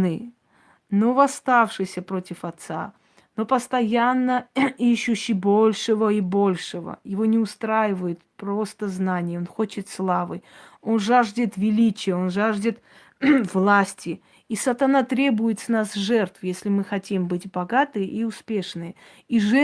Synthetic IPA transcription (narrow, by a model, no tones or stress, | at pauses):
nɨ | novɐst̪afʂɨjsʲəpɾotʲɪfɐt̪sa̰ | no̞pəst̪ɐjanːəiɕːʊɕːɪbolʲʂɨvəibo̞lʲʂɨvə̰jɪvo̞nʲɪʊst̪ɾajɪvəjɪt̪̚pɾo̞st̪əznanʲɪjəonxo̞t͡ɕɪt̪slˠavɨ̰jo̞nʐaʐdʲɪt̪vʲɪlʲit͡ɕɪjəo̞nʐaʐdʲɪt̪ | vlˠasʲtʲɪ | isɐt̪ɐnat̪ɾʲe̞bʊjɪt̪snasʐɛrt̪fjesʲlʲɪmɨxɐtʲimbɨtʲbɐɡat̪ɨjʔiʊspʲe̞ʂnɨjə | iʐɛ